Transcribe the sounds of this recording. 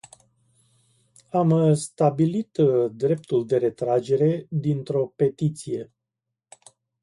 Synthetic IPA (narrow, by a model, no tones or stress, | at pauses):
amst̪abilit̪d̪ɾe̞p̚t̪uld̪e̞ɾe̞t̪ɾad͡ʒe̞ɾe̞d̪int̪ɾo̞pe̞t̪it̪sije̞